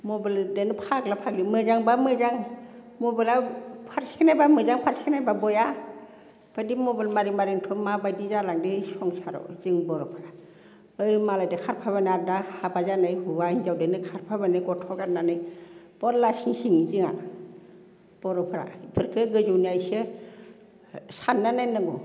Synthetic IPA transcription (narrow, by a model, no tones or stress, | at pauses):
mɔbildenɯpʰaklapʰak̚limɯzaŋbamɯzaŋ | mɔbɯlapʰaɾsikʰnajbamɯzaŋpʰaɾsʰikʰnajbabɔja | b̥adimɔbilmaɾiŋmaɾiŋtʰɔmabajdizalaŋdisɔŋsaɾɔ̰ziŋbɔɾɔpʰaɾa | ɯjmalajdɯkʰaɾpʰabanadahabazanajhuwainzawdenɯkʰaɾpʰabanɯɡɔtʰɔɡat̚nanɯj | b̥ɔlasiŋsiŋziŋa̰ | b̥ɔɾɔpʰɯɾa̰ipʰɯɾkʰɯɡɯzuwniajse | sanːanɯnɯɡɔ